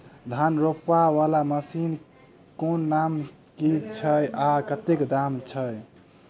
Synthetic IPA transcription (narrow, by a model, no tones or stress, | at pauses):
d̪ʱanɾopːaʋalaməsin | konːam | kit͡ʃʰəjakət̪ekd̪amt͡ʃʰəj